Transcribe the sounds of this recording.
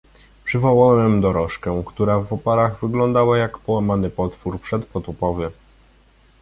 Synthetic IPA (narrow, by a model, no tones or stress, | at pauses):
pʂɘvɔwawɛmd̪ɔɾɔʂkɛkt̪uɾavɔpaɾaɣvɘɡlɔnd̪awajakpɔwamanɘpɔt̪fuɾpʂɛt̪pɔt̪ɔpɔvʲɛ